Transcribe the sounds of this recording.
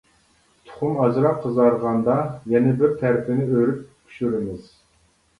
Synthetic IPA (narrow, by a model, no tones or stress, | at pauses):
t̪ʰʊ̥χʊmɑzɾɑqʰəzɑɾʁɑnd̪ɑjɛnɪbɪɾt̪ʰæɾpʰɪnɪøɾyp̚kʲʰy̥ʃyɾɪmɪz̥